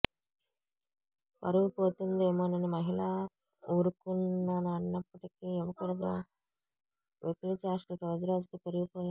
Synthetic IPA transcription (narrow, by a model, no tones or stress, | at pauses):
pɐ̰ɾuʋupoːt̪und̪eːmonenimɐɦiɭa | uːɾukunːɐnɐɳːɐpːɐʈikiɛʋɐkuɽɐɡaː | ʋʔet̪ilit͡ʃaːʂʈiɾoːd͡ʒɐɾoːd͡ʒukip̪eɾuɡipoːja